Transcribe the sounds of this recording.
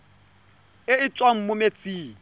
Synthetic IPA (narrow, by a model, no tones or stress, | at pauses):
ɪɪt͡sʼwaŋ̩mʊmet͡sʼiː